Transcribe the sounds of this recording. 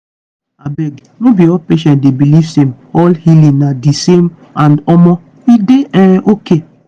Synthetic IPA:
abɛɡ | nobiɔlpeʃɛ̃nt̚debiliv̥sem | ɔlhilĩŋnadisem | andɔmɔ | ideɛ̃ʔoke

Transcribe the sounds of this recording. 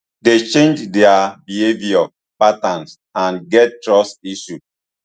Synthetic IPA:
det͡ʃẽnd͡ʒdɛabihevia | patãns | ãnɡɛt̚ːtɹɔstiʃu

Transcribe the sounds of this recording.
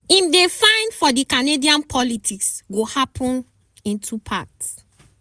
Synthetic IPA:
imdefãɪ̃ndfɔdikanediãnpʰɔlitʰiksɡohapʰɔ̃n | ĩntʰupʰats

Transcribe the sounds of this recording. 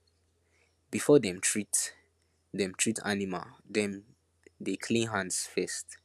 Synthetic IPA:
b̥ifɔdɛ̃mtʰɹit | ðɛ̃mtʰɹitʰa̰nima̰ldɛ̃n | dekʰlĩnɦãndsfɛst

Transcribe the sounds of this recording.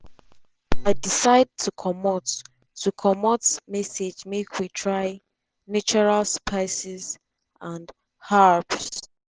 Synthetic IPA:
aɪdisaɪd̚tʰukʰɔmɔtʰː | ukʰɔmɔtmɛsed͡ʒmekʰwitʰɹaɪ | nat͡ʃɔɹalspʰaɪsiz | ʔãnd | haɹps

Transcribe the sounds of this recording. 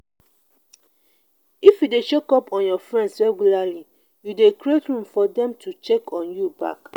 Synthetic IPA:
ifjudet͡ʃokɔpʰɔ̃njɔfɹɛ̃ndsɹɛɡjulali | judekɹietɹũmfɔdɛ̃mtʰut͡ʃekʰɔ̃njuba̰k

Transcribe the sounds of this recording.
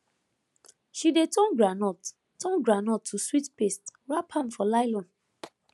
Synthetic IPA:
ʃidetʰɔ̃nɡɹanɔt | tɔ̃nɡɹanɔtʰːuswitpestɹapʰãnfɔlaɪlɔ̃n

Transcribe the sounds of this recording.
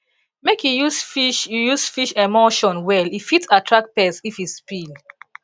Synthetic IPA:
mekʰjujusfiʃjujusfiʃemoʃɔ̃nwɛlifitsatʰɹak̚pɛsifispil

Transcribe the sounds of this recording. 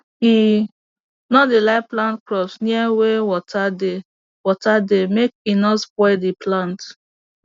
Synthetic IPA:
i | nɔdilaɪplãntkɹɔpsniɛwewɔtʰade | wɔtademek̚inɔspɔɪdiplãnt

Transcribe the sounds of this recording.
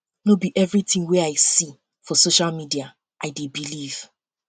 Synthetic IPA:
nobiʔɛvɹitĩŋwɛaɪsi | fɔsoʃalmidia | ʔaɪdebiliv̥

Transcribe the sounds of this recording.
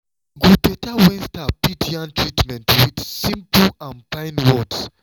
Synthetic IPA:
ɡubetawɛ̃nstapitʰiãntʰɹitmɛ̃ntwid̪sĩmplãnfãɪ̃nwɔds

